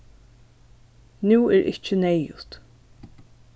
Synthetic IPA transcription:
nuːɛːɾʔɪ̰ht͡ʃənɛjʊt̪

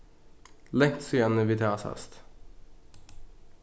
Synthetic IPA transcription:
lɛŋt̪sɔjɛnəʋiːt̪ʰɑːsɑ̰st̪

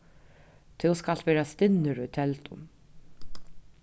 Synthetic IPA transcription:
t̪ʰɪwskalt̪ʋɛːɾast̪ɪnːɪɾʊjt̪ʰɛlt̪ʊm

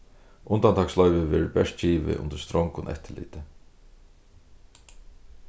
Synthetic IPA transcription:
ʔʊnt̪ant̪ʰɑːkslœʏvɪvɛːɹbɛʂt̪̚t͡ɕiːʋɪ̰ʔʊ̰nt̪ə̥st̪ɾɔŋkʊnʔɛ̰ht̪ɪlḭːt̪ɪ

